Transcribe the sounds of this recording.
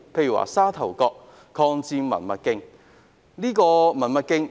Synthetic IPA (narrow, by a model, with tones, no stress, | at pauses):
pʰe˧jy˨˩wa̰ː˨˩saː˥t̪ʰɐ˨˩wkɔː˧k̚ | kʰɔː˧ŋt͡siː˧mɐ̰˨˩nmɐ̰˧t̚kɪ˥ŋ | niː˥kɔː˧mɐ˨˩nmɐ˨˧t̚kɪ˥ŋ